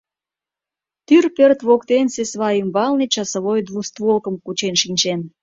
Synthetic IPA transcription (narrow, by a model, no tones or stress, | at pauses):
t̪yrpørt̪βokt̪ensesβɑymbɑlnit͡ɕɑsə̆βojd̪vust̪βolkə̆mkut͡ɕenʃinʲt͡ɕen